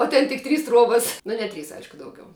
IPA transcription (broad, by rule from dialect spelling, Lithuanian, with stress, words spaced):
oː ˈtʲɛn tʲɪk ˈtʲrʲiːs ˈtruɔbɐs nʊ nʲɛ ˈtʲrʲiːs ˈɐɪʃkʊ ˈdɐʊɡʲɛʊ